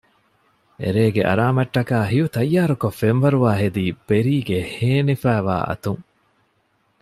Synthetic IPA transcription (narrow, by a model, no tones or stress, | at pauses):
ḛɾeːɡeʔɐ̰ɾaːmɐʈːɐkaːɦijut̪ɐjːaːɾukɐfːenʋɐɾuʋaːɦed̪iːb̥eɾiːɡeheːnifæːʋa̰ːʔɐ̰t̪uŋ